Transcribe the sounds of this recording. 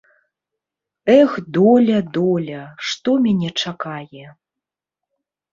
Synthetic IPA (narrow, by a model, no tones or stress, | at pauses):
ɛxd̪ɔlʲɐd̪ɔlʲɐʂt̪ɔmʲanʲɛt͡ʂakajɛ